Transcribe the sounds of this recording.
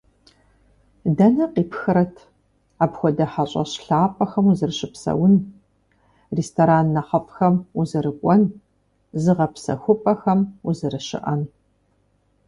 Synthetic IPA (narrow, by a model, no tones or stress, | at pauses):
dɐnɐqiːpxɨɾɐtʰ | aːpxʷɔdɐħɐɕʼɐ̰ɕɬaːpʼɐxɐmuzɨrɨɕɪpsɐ̰wʊn | restʰoɾaːnːɐχɐfʼxɐmuzɨɾɨkʷʼɔn | zɨʁɐpsɐ̰xʷʊpʼɐxɐmuzɨɾɨɕɪ̰ʔɐn